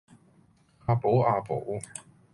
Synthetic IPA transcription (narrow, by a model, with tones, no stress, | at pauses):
aː˧po˨˥wʔaː˧po̰˨˥w